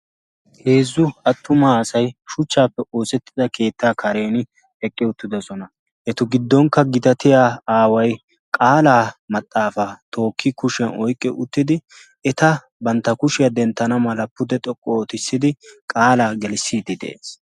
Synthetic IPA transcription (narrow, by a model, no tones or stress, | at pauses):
he̞ːzːʊɐt̪ːʊmɐːsɐjʃʊt͡ʃːaːpːɛo̞ːsɛt̪ːɪd̪ɐke̞ːt̪ːaːkʰɐɾe̞ːn | ɛkʼːɪʊt̪ːɪd̪ɐsɔnɐ | ʔɛt̪ʊɡɪd̪ːɔŋkːɐɡɪd̪ɐt̪ɪjaːaːwɐj | kʼaːlaːmɐt̪ʼːaːfat̪o̞ːkːɪkʊʃɛnɔjkʼːɪʔʊt̪ːɪd̪ɪ | ɛt̪ɐ | bɐnt̪ːɐkʊʃɪjɐd̪ɛnt̪ːɐnɐmɐlɐpːʊd̪ɛt̪ʼɔkʼːɔːt̪ɪsːɪd̪ɪkʼaːlaːɡɛlsːiːd̪ɪd̪ɛ̰ʔḛːs